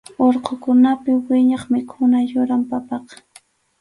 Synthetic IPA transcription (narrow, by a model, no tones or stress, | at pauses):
oɾqokʊnapɪwɪɲɑχmɪkʰʊnajʊɾampapɑqɑ̥